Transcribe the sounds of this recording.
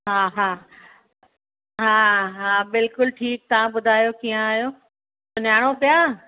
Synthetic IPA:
ɦaːɦaː | ɦãːɦabɪlkʊlʈʰiːk̚t̪ɐʋãɓʊd̪ʱaːjokijãaːɦjoː | sʊnjaːɽ̃opjaː

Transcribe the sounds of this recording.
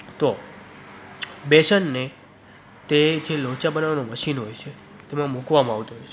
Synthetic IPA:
t̪o | beʃənːe | t̪ed͡ʒelot͡ʃabənaʋanoməʃinɦojt͡ʃʰe | t̪emãmũkʋamãaʋt̪oɦojt͡ʃʰe

